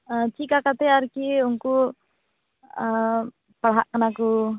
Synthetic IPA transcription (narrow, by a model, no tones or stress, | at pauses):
ət͡ʃikakat̪ɛaɾkiuŋku | ə | pəɭɦaʔkːənaku